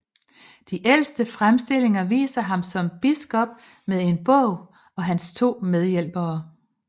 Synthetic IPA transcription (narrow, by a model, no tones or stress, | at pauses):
d̥iʔel̰sd̥əfʁamsd̥e̝l̰e̝ŋɐʋḭːsɐɦɑ̈msɒ̽mb̥isɡ̥ɒ̽b̥̚ | meðˠe̝nb̥ɔ̰ʊ̰ | ɒ̽ɦænst͡sʰo̝̰ːmeð̞ˠjel̰b̥ɐː